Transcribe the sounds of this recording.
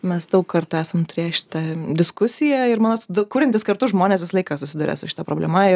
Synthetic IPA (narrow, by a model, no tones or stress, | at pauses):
mʲɛsd̪ɐʊkkkɐrt̪ʊæːsɐmt̪ʊɾʲeːjʃʲɪ̥t̪ɑd̪ʲɪskʊsʲɪjɛɪɾmɑːnoːsd̪kuːɾʲɛɪnt̪ʲɪskɐɾt̪ʊʒmoːnʲeːs̬ʋʲɪsɐlˠɐɪkɑsʊsʲɪd̪ʊɾʲɛ̰ːsʊʃʲɪ̥t̪ɐpɾoːbʲlʲɛ̰mɐɪ